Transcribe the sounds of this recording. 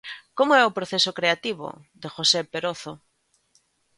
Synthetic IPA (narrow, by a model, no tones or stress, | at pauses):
komoɛʊpɾoθesokɾeat̪iβo̰ | d̪exosepeɾoθo